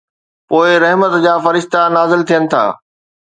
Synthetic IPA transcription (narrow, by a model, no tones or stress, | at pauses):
poːɪɾɐɦmət̪d͡ʑaːfɐɾɪʃt̪anaːzɪlt̪ʰijənɪ̆t̪ʰa̰ː